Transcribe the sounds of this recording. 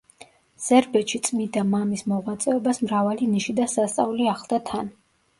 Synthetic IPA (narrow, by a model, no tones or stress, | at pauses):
z̥ɛɾbɛt̪ʃit̪sʼmind̪amamismɔʁwat̪sʼɛɔbasmɾavaliniʃid̪asast̪sʼa̰uliaχlˠd̪at̪ʰan